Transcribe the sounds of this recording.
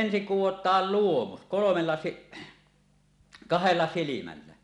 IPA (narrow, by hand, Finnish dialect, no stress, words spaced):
ensiŋ kuwotˑɑːl luomus kolomelːɑ si kɑhelːɑ silimælːæ